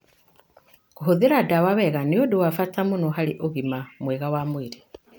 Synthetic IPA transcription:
koɦoðeɾadawaβɛɣanejodowafatamonoɦaleʔoɣimamwɛɣawamweɾe

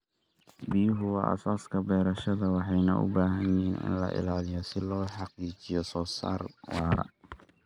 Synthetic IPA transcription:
bɪjʊɦʊwɑ̰ːʔɐ̰saːskʰɐbɛːɾɐʃɐðɐwɑħɑjnɐʔʊ̰baːɦɐnjɪɦiːnɪ̰nlɐ̰ʔɪ̰laːlɪjɔsɪlɔːħɑqiːt͡ʃɪjɔsɔːsa̰ːrwɑːɾɐ̰

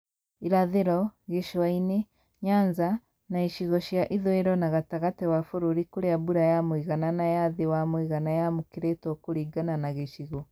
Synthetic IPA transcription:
iɾaðiɾɔɣeʃwaine | ɲaːɲza | naiʃiɣɔʃjaʔiðweɾɔnaɣataɣatewafuɾuɾikuɾeabuɾajamwiɣananajaðiwamwiɣanajamukiɾetokuɾiɡananaɣeʃiɣɔ

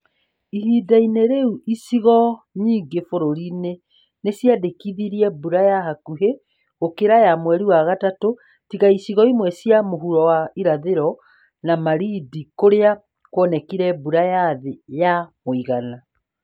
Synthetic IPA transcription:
iɾiːdaineɾeuʔisiɣɔɲiːŋɡefoɾoɾine | nesjadekiðiɾiɛbuɾajaɦakuɦe | ɣokeɾajamwɛɾiwaɣatato | tiɣaisiɣɔimwɛsjamoɦuɾɔwaiɾaðeɾɔ | namaɾidikoɾea | kwɔnɛkiɾɛbuɾajaðejamoiɣana

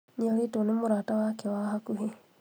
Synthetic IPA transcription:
niɔlitonomoɾaːtawakewaɦakuɦe

